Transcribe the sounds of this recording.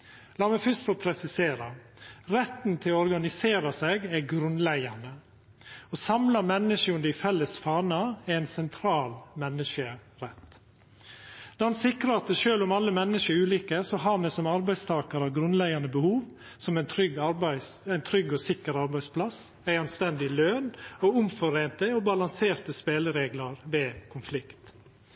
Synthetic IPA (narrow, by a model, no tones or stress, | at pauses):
lɑːmɛfœst̪fɔpʰɾɛsɪseːɾɑ | ɾɛt̪ːn̩t̪ʰɪlɔɔɾɡɑnɪseːɾɑsɛɡæɡɾʉnlæɡɑnə | ɔsɑmlɑmɛnːəʂəʉnd̪ɪfɛlːəsfɑːɳɑɛæɪnsɛnt̪ʰɾɑːlmɛnːəʂəɾɛt̪ | d̪̥æːɾhɑnsɪkɾəɑt̪̚d̪ɛʃøːlʊmɑlːəmɛnːəʂəɾʉːliːkəsɔɦɑɾmɛsɔmɑɾbæɪst̪ʰɑːkəɾɑɡɾʉnlæɡɑnəbəhuːʋ | sɔmænt̪ʰɾʏɡːɑɾbæɪsæɪnt̪ʰɾʏɡːɔsɪkːəɾɑɾbæɪspʰlɑsæɪɑnst̪ɛnd̪ɪløːnɔʊmfɔɾeːnt̪əɔbɑlɑŋseːɾt̪əspeːləɾeːɡlɑɾʋeːkʰʊnflɪkt̪